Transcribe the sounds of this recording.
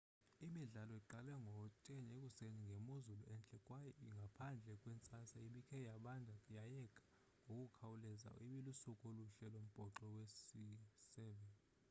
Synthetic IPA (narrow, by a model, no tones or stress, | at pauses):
imiɮalɔiǃalɛŋɡʱɔt͡ʃʼeɲekʼuseniŋɡʱemuzuluɛnt͡ɬʼɛkʼwajɔiŋɡʱapʰand͡ɮʱɛkʼwɛnt͡sʼasaiɓikʰɛjaɓandʱajajɛkʰʼḁ | ŋɡʱokʼukʰawulɛza̰iɓilusukʼoluɬɛlom̩b̥ʱɔǃɔwesisɛːɓɛn